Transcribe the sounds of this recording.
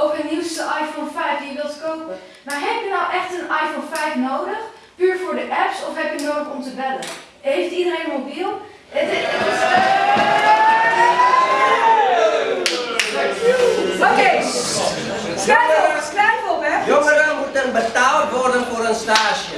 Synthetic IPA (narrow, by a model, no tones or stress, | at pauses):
owkəniwstəʔɑjfonfɛjfdijəʋɪlˠtkowpə | maːɹɦɛpjənawʔɛχtənɑjfonfɛjfnowdəχ | pyːɹvʊːɹdəʔɛpsɔfɦɛpjənowdəχɔmtəbɛdə̰n | ɦejftidərejnmobilˠ | ə | okej | kɛkʋɛtfɔpɛɔŋəɾənmutənbətaːlˠtʋɔrdənfʊːɾənstaːʃə